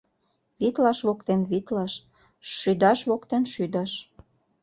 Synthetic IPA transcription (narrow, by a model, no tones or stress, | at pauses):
βit̪lɑʃβokt̪enβit̪lɑʃ | ʃyd̪ɑʃβokt̪enʃyd̪ɑʃ